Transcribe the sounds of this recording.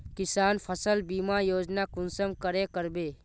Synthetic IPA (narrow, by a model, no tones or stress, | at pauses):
kɪsaːnpʰəsəlbiːmajoːd͡ʒnakʊnsəmkəɾekəɾbeː